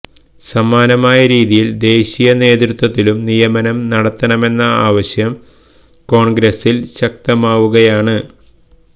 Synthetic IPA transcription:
sɐmaːnɐmaːjɐɾiːðijild̪e̞ːɕijɐne̞ːd̪ɾut̪wɐt̪ːilumnijɐmɐnɐmnɐɽɐt̪ːɐnɐme̞nːɐaːʋɐɕjɐm | ko̞ːɳɡɾɐsilɕɐk̚t̪ɐmaːʋuɣɐjaːɳɨ

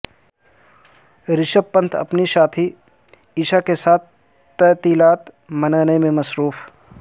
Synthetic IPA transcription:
ɾɪʃəbpːə̃nt̪ʰɐ̰pniʃaːt̪ʰi | iːʃakesaːt̪̚ʰ | t̪ɛːt̪iːlaːt̪ | mɐnəːnemẽmɐsɾuːf

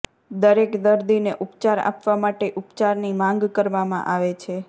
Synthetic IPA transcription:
d̪əɾekd̪əɾd̪ineʔupt͡ʃaɾa̰pʋamaʈeʔupt͡ʃaɾnimãŋɡkəɾʋamã̰ʔaʋet͡ʃʰe

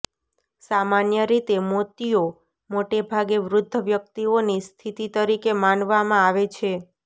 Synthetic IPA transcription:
samanjəɾit̪emot̪io | moʈebʱaɡeʋɾʊd̪ʱːəʋjək̚t̪ionist̪ʰit̪it̪əɾikemanʋamãaʋet͡ʃʰe

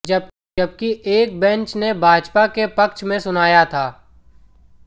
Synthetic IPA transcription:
ɐb̚kiʔeːk̚bɛ̃nt͡ʃnebʱaːd͡ʒpakepɐkʃmẽsʊnaːjat̪ʰaː

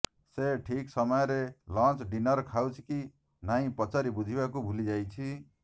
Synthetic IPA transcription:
seʈʰiksʌmʌjɾelãnt͡ʃɖinʌɾkʰawt͡ʃʰi̥ki | naĩpʌt͡saɾibud͡ʒʱibakubʱulid͡ʒajt͡ʃʰi

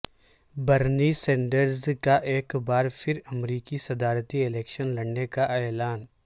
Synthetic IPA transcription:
bɐɾnisẽːɳɖəɾzkaʔeːkbaːɾfʰɪɾɐmɾiːkisɐd̪aːɾt̪iɪlɛːkʃənlɐɽnekaʔɛːlaːn

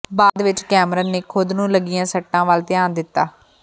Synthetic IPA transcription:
baːd̪ʋɪt͡ʃkɛːmɾəneːkʰʊd̪nũːləɡɪjãːsəʈːãːʋalt̪ɪjaːnd̪ɪt̪ːaː

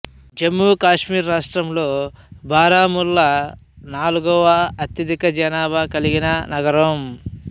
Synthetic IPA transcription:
d͡ʒɐmːuːkaːʂmiːɾːaːʂʈɾɐmlo̞ːbʱaːɾaːmulːɐ | naːluɡɔːʋɐːt̪jɐd̪ikɐd͡ʒɐnaːbɐkɐliɡinɐnɐɡɐɾɐm

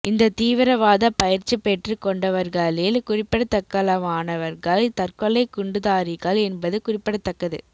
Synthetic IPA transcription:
ʔɪnd̪ɐt̪iːʋɪɾɐʋaːðɐpɐjɪɾt͡ʃːɯpɛʈrɯkɔɳɖɐʋɐɾɣɐɭɪlkʊrɪpːɪɽɐt̪ːɐkːɐlɐʋaːnɐʋɐɾɣɐɭt̪ɐrkɔɭːɐɪkʊɳɖɯðaːɾɪɣɐɭɛnbɐðɯkʊrɪpːɪɽɐt̪ːɐkːɐðɯ̰

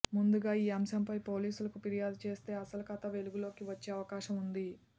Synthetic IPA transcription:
mund̪uɡaːiːɐmʃɐmpɐjpo̞ːliːsulɐkupiɾijaːd̪ut͡ʃe̞ːst̪e̞ːɐsɐlukɐt̪ɐʋe̞luɡulo̞ːkiʋɐt͡ʃːeːɐʋɐkaːʃɐmund̪i

